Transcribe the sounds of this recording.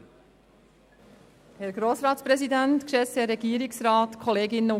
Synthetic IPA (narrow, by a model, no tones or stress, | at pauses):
hɛɾɡɾoːsɾɑːt̪spɾɛsidæntkʃɛsɛɾɛɡiəɾɪksɾɑːtkʰɔleːɡɪnə